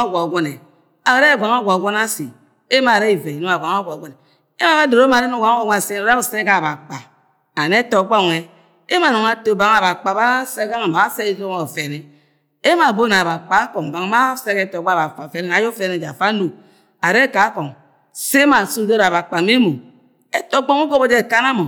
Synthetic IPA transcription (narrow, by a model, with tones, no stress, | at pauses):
ɡʷa˨ɡʷo˦ne˨ | a˨˦ɾe˦˨ɡʷa˨ŋ˦o˦ɡʷa˨ɡʷo˦na˦si˨ | e˦ma˨ɾe˦i˨ve˨i˨no˦a˨ɡʷa˨ŋo˦ɡʷa˨ɡʷo˦ne˨ | e˦ma˦a˦do˨ɾo˦ma˨ɾe˦no˦˨ɡʷa˨˦wo˦ɡʷse˦˨o˨˦a˦bo˨se˦ka˦˨ba˨k͡pa˨ | a˨ne˦to˨˦ɡ͡bo˦˨ŋe˨ | e˦ma˨no˨ŋa˨to˨ba˨˦ŋ˦a˨ba˨k͡pa˨ba˦se˦ka˦ma˨a˨˦se˦i˦no˦a˨fe˨ne˨ | e˦ma˨bo˦na˨ba˨k͡pa˨˦ko˨ŋ˨ba˨ŋ˨˦ma˦se˦ke˦to˨ɡ͡ba˦˨ba˨fa˨fe˨ne˨na˨˦jo˦fe˨ne˨d͡ʒa˨fa˦no˨ | a˨ɾe˦ka˨˦ko˨ŋ | se˦ma˨su˦do˦ɾa˨ba˨k͡pa˨me˦mo˨ | e˦to˦ɡ͡bo˦ŋo˦ɡo˦bo˦d͡ʒe˦˨ka˦na˦mo˨